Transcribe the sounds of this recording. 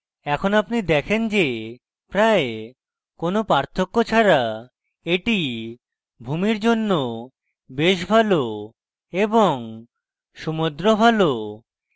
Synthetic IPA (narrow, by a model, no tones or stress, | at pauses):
ɛkʰonapnid̪ɛkʰend͡ʑe | pɾae | konopaɾt̪ʰːokːot͡ɕʰaɾa | eʈi | bʱumiɾd͡ʑonːo | beʃbʱalo | eboŋ | ʃumod̪ɾobʱalo